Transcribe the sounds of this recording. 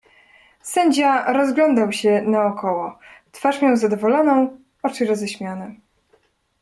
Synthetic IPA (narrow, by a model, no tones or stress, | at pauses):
sɛɲd͡ʑaɾɔzɡlɔnd̪awɕɛnaɔkʰɔwɔt̪faʂmʲjawzad̪ɔvɔlɔnɔ̃w̃ | ɔt͡ʂɘɾɔzɛɕmʲjanɛ